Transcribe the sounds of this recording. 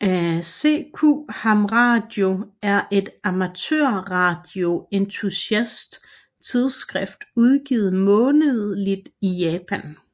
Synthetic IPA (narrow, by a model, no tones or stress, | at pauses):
æsḛkʰuhɑmʁɑ̈d̥jo̝æɐʔe̝d̥ɑmæt͡sʰø̰ɐ̰ʁɑ̈d̥jo̝ent͡sʰusæsd̥ | t͡sʰið̞ˠsɡ̥ʁɛfd̥uð̞ˠɡ̥ḭːð̞̩ˠmɔ̽ːnəðˠlid̥ijɛːpʰæn